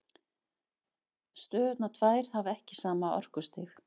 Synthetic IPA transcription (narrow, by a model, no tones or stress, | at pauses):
st̪œːt̪nat̪ʰvaːjɾ̥havɛhcɪsaːmaɔ̰r̥kʏst̪ɪx